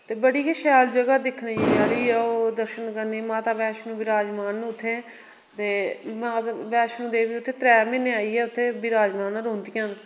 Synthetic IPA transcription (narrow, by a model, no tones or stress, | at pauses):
t̪eːbəɽiːkeʃaːld͡ʒəɡaːd̪ɪkʰned͡ʒeːd͡ʒaːɽiːɛːoːd̪əɾʃənkəniːmãːt̪aːbɛːʃnũːbɪɾaːd͡ʒmaːnːʊt̪ʰːeː | t̪eːmaːt̪bɛːʃnũːd̪eːʋiːʊt̪ʰːeːt̪ɾɛːmɪnːeːaːiːɛːʊt̪ʰːeːbiɾaːd͡ʒmaːnːɾoːnd̪iːãːn